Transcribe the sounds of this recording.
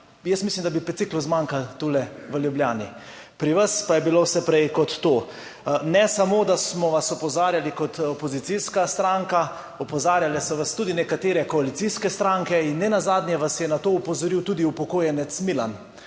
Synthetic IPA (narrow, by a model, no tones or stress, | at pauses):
jəsmislimd̪abipɛt̪sikluzmãŋkalt̪ulɛʋəljubljaːni | pɾiʋaspajɛbilowsɛpɾɛjkɔt̪ːoː | nɛsamoːd̪asmɔʋasɔpɔzaːɾjalikɔt̪ɔpɔzit̪siskast̪ɾaŋka | ɔpɔzaːɾjalɛsɔʋast̪uːd̪inɛkat̪eːɾɛkɔalit̪siskɛst̪ɾaŋkɛinːɛnazaːd̪nʲjɛʋasjɛnat̪oːupɔzɔɾiwt̪uːd̪iupɔkoːjɛnɛt̪smilan